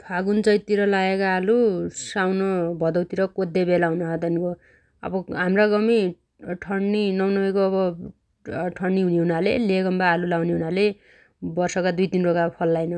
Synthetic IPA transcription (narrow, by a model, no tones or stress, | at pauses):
pʰaɡunt͡sʌjt̪iɾʌlaekaːlusawnʌbʱʌd̪ʌwt̪iɾʌkod̪ebelaunʌɦʌd̪ʌniko | ʌ̰bʌɦamraɡʌmi | ʈʰʌɳːinʌwnʌbekoʌbʌ | ʈʰʌɳːiɦuniɦunaleleɡʌmbaːlulawniɦunale | bʌrsʌkad̪ujt̪inrokapʰʌlːajnʌ